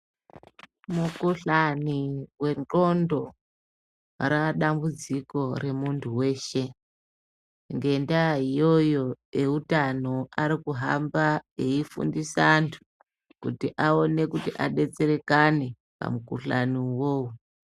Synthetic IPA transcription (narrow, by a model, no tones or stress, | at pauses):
mukuɬaniwe̞no̞ndo̞ | ɾaɗambud͡ziko̞re̞muntʰuwe̞ːʃe̞ | ŋɡe̞ndaɦijo̞jo̞eutanoaɾikuɦambaeifṵndisantʰu̥ | kutiʔao̞ne̞kutiʔa̰ɗe̞t͡se̞ɾe̞kane̞ | pa̰mukuɬa̰niwoːwu